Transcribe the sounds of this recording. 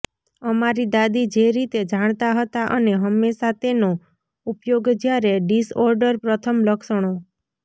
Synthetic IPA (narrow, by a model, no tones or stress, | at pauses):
əmaɾid̪ad̪id͡ʒeɾit̪ed͡ʒaɽ̃t̪aɦət̪aʔəneɦəmːesat̪eno | upjoɡd͡ʒjaɾeɖisɔɾɖəɾpɾət̪ʰəmləkʃəɽ̃o